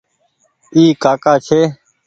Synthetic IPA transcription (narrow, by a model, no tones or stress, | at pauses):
iːkaːkaːt͡ʃʰeː